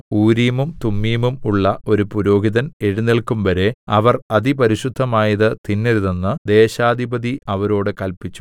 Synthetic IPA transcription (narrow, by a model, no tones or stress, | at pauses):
uːɾijɐmumt̪umːijɐmumuɭːɐo̞ɾupuɾo̞ːɦiðɐneɻunːiɭkumʋɐɾe̞ɐʋɐrɐðipɐɾiɕud̪ʱːɐmaːjɐðɨt̪inːeɾuðenːɨd̪e̞ːɕaːd̪ʱibɐðiɐʋɐɾo̞ːɽɨkɐlpit͡ɕːu̥